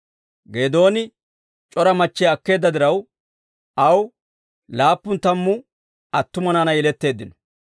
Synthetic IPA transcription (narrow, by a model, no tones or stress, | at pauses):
ɡe̞ːd̪o̞ːnɪ | t͡ʃʼɔɾɐmɐt͡ʃːɛɐkːe̞ːd̪ːɐd̪ɪɾɐw | ʔɐw | laːpːʊnt̪ɐmːʊ | ɐt̪ːʊmɐnaːnɐɛlɛt̪ːe̞ːd̪ːɪnɔ̥